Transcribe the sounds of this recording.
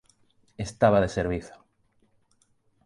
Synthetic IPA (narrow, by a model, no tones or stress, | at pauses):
est̪aβaðeseɾβiθo̥